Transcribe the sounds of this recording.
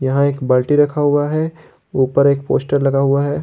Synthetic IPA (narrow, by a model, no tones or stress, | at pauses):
jɐɦãeːkbɐlʈiɾɐkʰaɦʊaɦɛ | uːpəɾeːk̚po̰ːsʈəɾlɐɡaɦʊaɦɛː